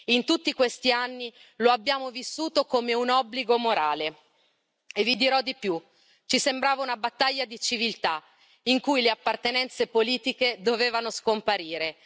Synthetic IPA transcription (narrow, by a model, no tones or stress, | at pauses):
int̪ut̪ːikwest̪ianːi | loabːjaːmovisːuːt̪okomeunɔbliɡomoɾaːle | evid̪iɾɔd̪ːipju | t͡ʃisembɾaːvaunabat̪ːaʎːad̪it͡ʃivilt̪a | iŋkujleapːart̪enɛnt̪sepoliːt̪iked̪oveːvanoskompaɾiːɾe